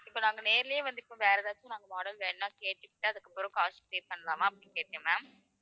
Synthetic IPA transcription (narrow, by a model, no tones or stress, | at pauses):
ɪpːoːnaːŋɡɐneːɾɪlɪjẽʋɐnd̪ɯɪpːõʋeːɾɐðaːt͡ʃːõnaːŋɡɐmɔːɽɐlʋeːnːãːkeːʈːɯkːɪʈːɯɐðɯkːɐpːɯɾõkaːspeːpɐɳːɐlaːmãːɐpːɽĩːkeːʈːẽːmaːm